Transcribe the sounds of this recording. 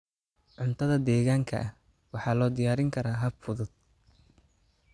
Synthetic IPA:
ʕʊnt̪ʰɐðɐd̪ɛːɣaːŋkʰɐ̰ʔɐh | wɑħɑːlɔːd̪ɪjaːɾɪŋkʰɐɾaːɦɐbfʊðʊd̪̥̚

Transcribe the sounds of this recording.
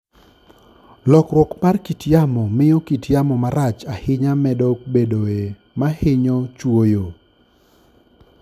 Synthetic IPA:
lɔkɾwɔkmarkitjamɔmɪjɔkitjamɔmaɾat͡ʃahɪɲamɛdɔk̚bedoe | mahɪɲɔt͡ʃwojo

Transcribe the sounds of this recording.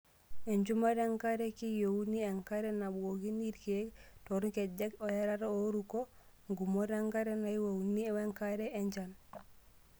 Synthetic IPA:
eɲd͡ʒumaɾeŋkaɾekijowunieŋkaɾenaboɡiniɾkektoɾuked͡ʒekojaɾaɾoɾuko | ŋɡumoɾeŋkaɾenajiwowunieweŋkaɾeeɲd͡ʒan

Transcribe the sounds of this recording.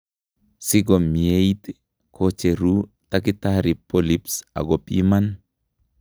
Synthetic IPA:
siɡomiejt̪ | kʰot͡ʃeɾu | takitaɾipolipsa̰ɡopʼḭman

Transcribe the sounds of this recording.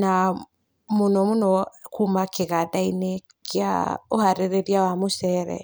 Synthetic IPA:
na | monɔmonɔkumakeɣaðaine | kʰea̰ohaɾeɾeɾjawamosɛɾɛ̰

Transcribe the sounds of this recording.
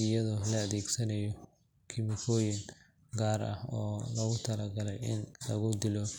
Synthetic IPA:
ɪjɐðɔlɐɐðɛːɡsɐnɐjɔ | kʰɪmɪkʰɔːjɪŋ | ɡaːɾɐ̰hɔːlɐɣʊt̪ʰɐlɐɡɐlɛjɪnlɐ̰ɣʊd̪ɪlɔ

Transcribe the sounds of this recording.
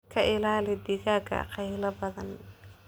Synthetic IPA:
kʰɐʔɪlaːlɛd̪ɪɣaːkʰɐ̰qɑjlɐbɐðɐn

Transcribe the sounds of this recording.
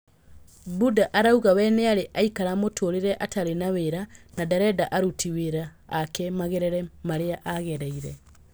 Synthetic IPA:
budaʔaɾauɣawɛnɛaɾeʔaikaɾamotʰoɾeɾɛʔataɾenaweɾanadaɾɛdaʔaɾutʰiweɾaːkɛmaɣeɾɛɾɛmaɾeaʔaɣɛɾaiɾɛ

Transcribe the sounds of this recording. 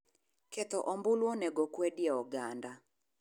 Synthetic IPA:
kɛt̪ɔʔɔmbʊlwɔnɛɡɔkwɛdjɛɔɡanda

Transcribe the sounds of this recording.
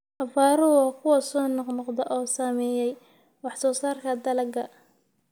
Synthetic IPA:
hɐfaːɾɔwɑːkʰʊwɐsɔːnɔqnɔqd̪ɐʔɔːsaːmɛːjɛj | wɑħsɔːsaːrkʰɐd̪ɐlɐɡɐ

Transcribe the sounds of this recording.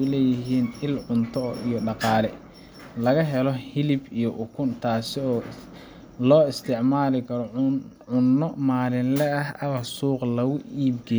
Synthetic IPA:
lɛːjɪɦiːnɪlʕʊnt̪ʰɔijɔɖɑqɑːlɛ | lɐɣɐɦɛlɔhɪlɪbijɔʔʊkʰʊnt̪ʰaːsɪɔː | lɔːɪst̪ʰɪʕmaːlɪkʰɐɾɔʕʊnːɔmaːlɪnlɛɐɦɐβɐsuːqlɐɣʊiːbɡɛ

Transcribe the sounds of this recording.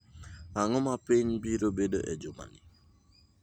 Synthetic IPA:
aŋɔmapiɲbiɾobedo̰ʔɛd͡ʒʊma̰nɪ

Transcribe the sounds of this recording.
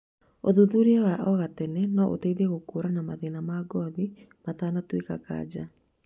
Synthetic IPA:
oðuðuɾeɛwaʔɔɣatɛnɛnɔʔo̰teiðɛɣokoɾanamaðenamaɡɔði | mataːnatwekaka̰ːd͡ʑa

